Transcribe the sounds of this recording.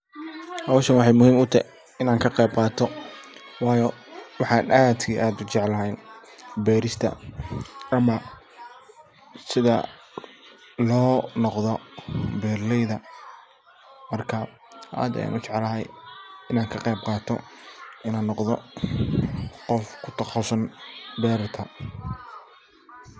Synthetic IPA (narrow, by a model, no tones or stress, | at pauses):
hɐwʃɐnwɑħɑjmʊhiːmʊt̪ʰɐ | ɪnaːŋkʰɐqɛjb̚qɑːt̪ʰɔ | wɑːjɔwɑħɑːnʔaːd̪ʰiʔaːd̪ʊt͡ʃɛʕlɐɦɛjn | bɛːɾɪst̪ʰɐ̰ | ʔɐmɐ | sɪðɐ̰ | lɔːnɔqðɔbɛːrlɛjðɐ | mɐrkʰɐ | ʔa̰ːd̪ɐ̰ja̰ːnʊt͡ʃɛʕɛlɐɦɛjɪnaːŋkʰɐqɛjb̚qɑːt̪ʰɔ̰ɪnaːnːɔqðɔ | qɔfkʰʊt̪ʰɐχɑwsɐnbɛːɾt̪ʰɐ